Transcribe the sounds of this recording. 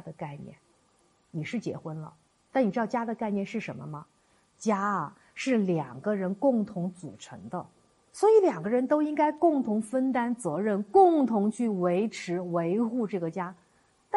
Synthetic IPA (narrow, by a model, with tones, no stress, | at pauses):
d̪ə˨ka˥˧ɪnjɛ̰˥˩n | ni˨˩ʂɻ̩˥˩t͡ɕjɛ̰˧˥xwə˥nlə̰˨ | t̪a˥˩ni˨˩ɻɑ˥˧t͡ɕja˥d̪ə˨ka˥˧ɪnjɛ˥˧nʂɻ̩˥˩ʂə˧˥nmə˧mɐ˩ | t͡ɕja˥ɐ˨˩ | ʂɻ̩˥˩ljɑ˨˩ŋɡə˦ɻə˧˥nkʊ˥˩ŋt̪ʰʊ˧˥ŋt͡sṵ˨˩ʈ͡ʂʰɤ̰˧˥ŋd̪ə̰˧ | swɔ˧˥i˧˥ljɑ˨˩ŋɡə˦ɻə˧˥nt̪o˥ʊi˥ŋka˥ɪkʊ˥˩ŋt̪ʰʊ˧˥ŋfə˥nt̪a˥nt͡sɤ˧˥ɻə˥˩nkʊ˥˩ŋt̪ʰʊ˧˥ŋt͡ɕʰy˥˩we˧˥ɪʈ͡ʂʰɻ̩˧˥we˧˥ɪxu˥˧ʈ͡ʂɤ˥˩ɡə˩t͡ɕja˥ | t̪a˥